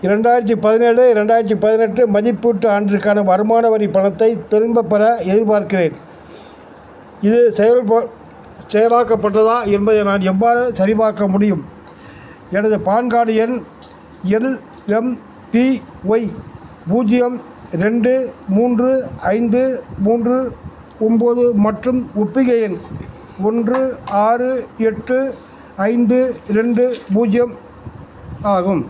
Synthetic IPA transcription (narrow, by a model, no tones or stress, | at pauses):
ɪɾɛɳɖaːjɪɾɐt̪̬ːipɐðɪnɛɽɯɪɾɛɳɖaːjɪɾɐt̪̬ːipɐðɪnɛʈrɯmɐðɪpːɯʈːɯaːɳɖɪɾɯkːaːnɐʋɐɾɯmaːnɐʋɐɾipːɐɳɐt̪ːɐɪt̪ɪɾɯmbɐpːɐɾɐɛðɪɾpaːɾkɪreːn | ɪðɯsɛjɐ | sɛjɐlaːkːɐpːɐʈːɐðãːɛnbɐðɯnaːnɛʋːaːɾɯsɐɾɪbaːɾkɐmʊɽɪjɯm | ɛnɐðɯpaːnɡaːɽɪjɐn | ɛl | ɛm | piʋɐɪ | puːd͡ʒɪjɐm | ɾɛɳɖɯmuːndrɯɐɪnd̪ɯmuːndrɯ | ɔmboːðɯmɐʈrɯmʊpːɪɣɐjɐn | ɔndrɯaːrɯɛʈːɯ | ɐɪnd̪ɯɾɛɳɖɯbuːd͡ʒɪjɐm | aːɣɯm